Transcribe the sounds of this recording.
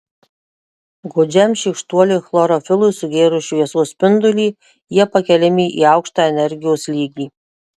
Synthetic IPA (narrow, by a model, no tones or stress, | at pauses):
ɡod͡ʒʲɛmʃʲikʃt̪uɔlʲɪxlˠɔɾoːfʲɪlˠʊɪsʊɡʲeːɾʊʃʲuiɛsuːsʲpʲɪnd̪ʊlʲiː | jiɛpɐkʲɛlʲɪmʲiːʔḭːɑʊkʃt̪ɑːɛnʲɛɾʲɡʲɪjoːslʲiːɡʲiː